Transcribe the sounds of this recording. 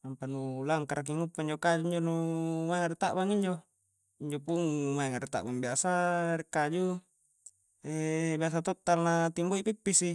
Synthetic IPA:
ampanulaŋkaɾak̬iŋupːaiɲd͡ʒokad͡ʒuiɲd͡ʒonumaiŋaɾit̪aʔbaŋiɲd͡ʒo | iɲd͡ʒopuŋumaɛŋaɾit̪a̰ʔbaŋbiasaɾikad͡ʒu | ebias̬at̪ɔt̪ːalnat̪imboipipːisi

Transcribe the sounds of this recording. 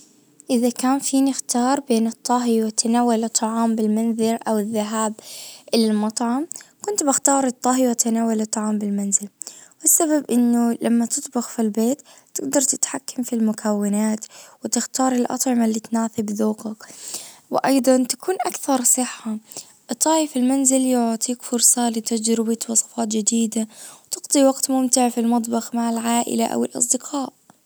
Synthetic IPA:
ʔɪðakaːnfiːnɪxt̪ɑːɾˤbeːnɨt̪ˤːɑɦiwɪt̪anaːwːalɨt̪ˤːɑʕɑːmbɪlmanðɪɾʔawɪðːaɦaːbʔɪllmɑt̪ˤʕɑmkʊnt̪bɪxt̪ɑːɾˤɨt̪ˤːɑɦiwɪt̪anaːwalɨt̪ˤːɑʕɑːmbɪlmanzɪlwɪsːaβabʔɪnːʊlamːat̪ɨt̪ˤbɪxfilbeːt̪ː | ɪɡd̪ɑɾˤt̪ɪ̥t̪ħakːamfilmʊkʰawːɪnaːt̪wɪt̪ɪxt̪ɑːɾˤɪlʔɑ̰t̪ˤʕɪmalːiːt̪naːθɪbðuːqakwɪʔɑjd̪ˤɑnt̪akʰuːnʔakθɑɾˤsˤɨħːa | t̪ˤːɑːjɪfɪlmanzɪljɪʕːt̪ˤiːkfʊɾsˤɑlɪt̪ad͡ʒɾɪbat̪wɑsˤɑ̥fɑːt̪d͡ʒɪd̪iːd̪awt̪ɪɡd̪ˤiwɑɡt̪mʊmt̪ɪʕfilmɑt̪ˤbɑxmaʕɪlʕaːʔɪ̰laʔa̰wɪlʔɑ̰s̬ˤd̪ɪqʰɑːʔ

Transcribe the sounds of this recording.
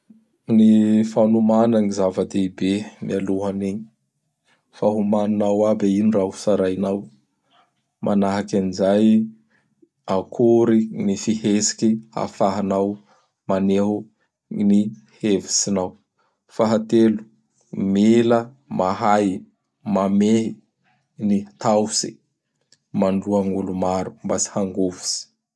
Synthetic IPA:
nifanumanaŋizavəd̪eibemialuɦaneɲi̥ | faɦumaninawabeinirauu̥saɾajnaw | mʔanaɦakʲanizaj | akʰuɾinifihesi̥kia̰faɦanaw | maneɦu | ni | hevisinaw | faɦat̪elu̥ | milə | maɦaj | mameɦi | nit̪awsi | manluaŋulumaɾu̥mbasi̥haŋɡovu̥si̥

